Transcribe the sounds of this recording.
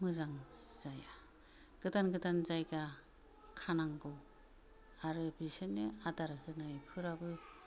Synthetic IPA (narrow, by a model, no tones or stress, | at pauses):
mɯzaŋz̥aja | ɡ̥ɯtanɡɯtanzajɡa | kʰanaŋɡɯw | aɾɯbisenːɯadaɾɯhɯnajpʰɯɾabɯ